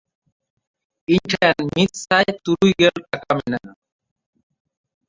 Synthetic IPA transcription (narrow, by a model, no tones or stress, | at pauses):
iɲʈʰajanmit̪̚sajt̪uɾujɡelʈakamɛna